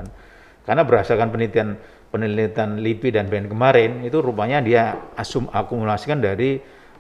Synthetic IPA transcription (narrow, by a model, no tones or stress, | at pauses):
n | karnabəɾɦasakanpənlit̪ian | pənilit̪anlipidanbankəmaɾɪnit̪uɾupaɲadiaasumakumulasikandaɾi